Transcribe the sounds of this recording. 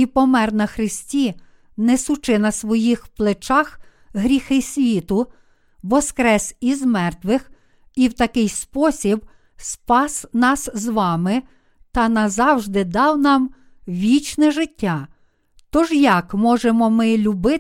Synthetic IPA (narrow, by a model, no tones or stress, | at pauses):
ipɔmɛrnɐxɾɪsʲtʲi | nɛsʊt͡ʃɪnɐsʋɔjixplˠet͡ʃɑx | ɦɾʲixɪsʲʋʲit̪ʊ | ʋɔskɾɛsizmɛrt̪ʋɪx | iwt̪ɐkɪjspɔsʲib | spɑsnɑszʋɑmɪ | t̪ɐnɐzɑwʒd̪ɪd̪ɑwnɑm | ʋʲit͡ʃnɛʒɪtʲːɑ | t̪ɔʒjɐkmɔʒemɔmɪlʲʊbɪ